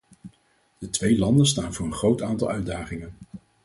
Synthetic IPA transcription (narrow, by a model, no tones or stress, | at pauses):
d̥ətʋejlɑndənstaːnvʊːɹənχrowtaːntɑlˠœɥdaːχɪŋən